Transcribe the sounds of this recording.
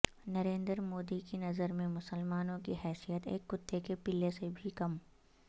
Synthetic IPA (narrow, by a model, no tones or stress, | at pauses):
nɐɾẽːnd̪ɾmoːd̪ikinɐzəɾmẽmʊsəlmaːnõkiɦɛːsijət̪ḛːkːʊt̪ːekepɪlesebʱikɐm